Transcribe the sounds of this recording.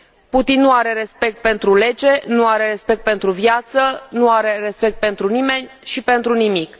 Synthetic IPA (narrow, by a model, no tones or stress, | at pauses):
put̪inːuaɾe̞ɾe̞spe̞k̚t̪̚pe̞nt̪ɾule̞d͡ʒe̞nuaɾe̞re̞spe̞k̚t̪̚pe̞nt̪ɾuvjat̪sənuaɾe̞re̞spe̞k̚t̪̚pe̞nt̪ɾunime̞nʲʃipe̞nt̪ɾunimik